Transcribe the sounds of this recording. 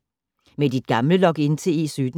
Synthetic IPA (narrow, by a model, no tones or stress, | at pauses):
med̥id̥̚ɡ̥ɑ̈mləlɒ̽ɡ̥e̝nt͡sʰe̝ḛːsyːd̥